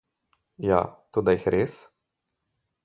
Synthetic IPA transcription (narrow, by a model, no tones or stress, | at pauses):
ja̰t̪od̪ajixɾʔeːs